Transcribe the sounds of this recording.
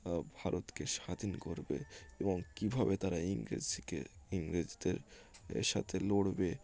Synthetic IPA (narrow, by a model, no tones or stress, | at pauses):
bʱaɾʔot̪keʃad̪inkoɾbḛeboŋkibʱabet̪aɾaiŋɾḭd͡ʑkḛiŋɾid͡ʑid̪eɾʃa̰t̪ʰeloɽbe